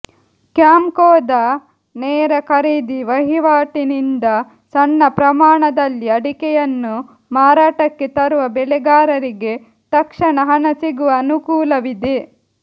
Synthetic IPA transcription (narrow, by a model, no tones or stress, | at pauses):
kjaːmkɔːd̪ɐ | nɛːɾɐkʰɐɾiːd̪iʋɐɦiʋaːʈinind̪ɐ | sɐnːɐpɾɐmaːɳɐd̪ɐlːiɐɽikɛjɐnːu | maːɾaːʈɐkːet̪ɐɾuʋɐbɛlɛɡaːɾɐɾiɡe̞ | t̪ɐkʂɐɳɐɦɐnɐsiɡuʋɐːnukuːlɐʋid̪e